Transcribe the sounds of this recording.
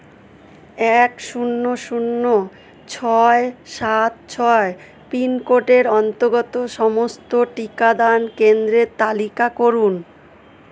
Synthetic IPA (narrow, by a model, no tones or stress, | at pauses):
ɛkʃunːoʃunːo | t͡ɕʰɔeʃat̪̚t͡ɕʰɔe | pinkoʈeɾɔnt̪oɡɔt̪oʃɔmost̪oʈikad̪ankend̪ɾeɾt̪alikakoɾun